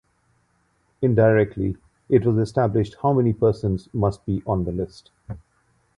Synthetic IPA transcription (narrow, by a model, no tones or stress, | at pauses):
ɪ̃ndaɪɹɛk̚tʰli | ɪʈwɔzɛstæblɪʃʈhaʊmɛnipɜːsə̃nzmʌsʈ̚b̥iʔə̃nd̪əlɪst